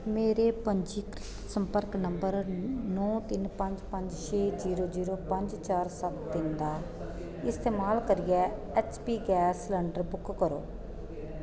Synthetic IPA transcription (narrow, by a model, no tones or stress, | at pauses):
meːɾeːpəɲd͡ʒiːkɾɪt̪səmpəɾknəmbəɾnɔ̃ːt̪ɪnpə̃ɲd͡ʒpəɲd͡ʒʃeːziːɾoːziːɾoːpəɲd͡ʒt͡ʃaːɾsət̪d̪ɪnd̪aː | ɪst̪eːmaːlkəɾɪjɛː | ɛːt͡ʃpiːɡɛːslɛːɳɖəɾbʊkːəɾo̰ː